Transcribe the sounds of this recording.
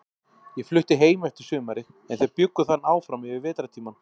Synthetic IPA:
jɛɣflʏht̪ɪɦeːjmɛft̪ɪ̥sʏːmaɾɪ | ɛnθejpjʏkːʏθanːaːwfɾamɪvɪɾvɛːt̪ɾat̪ʰiːman

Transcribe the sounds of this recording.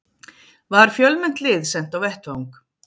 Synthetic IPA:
vaɾ̥fjœlmɛn̥t̪lɪðsɛnt̪awvɛht̪vawŋk

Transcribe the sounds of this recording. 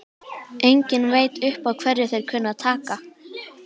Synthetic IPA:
ʔejɲcɪnveːjt̪ʏhpawkʰv̥ɛrːɪ̥θejɾ̥kʰœːnaðt̪ʰaːka

